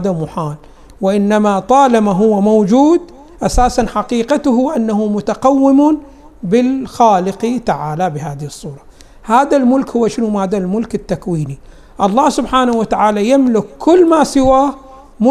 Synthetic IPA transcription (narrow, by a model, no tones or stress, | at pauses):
d̪amʊħaːl | wɪʔɪnːamat̪ˤɑːlamaɦʊwːamawd͡ʒuːd̪ | ʔasaːsanħaqiːqat̪ʊɦʊʔanːahʊmʊt̪aqawːɪmn | bɪlxaːlɪqit̪aʕaːlabɪɦaːðɪhɨsˤːuːɾˤɑ̥ | haːðalmʊlkhʊwːaʃɪnʊmaːd̪almʊlkɪt̪ːakwiːni | ʔɑlˤːɑːhsʊbħaːnawat̪aʕaːlajamlɪkʰːʊlːmaːsɪwaːh | mʊ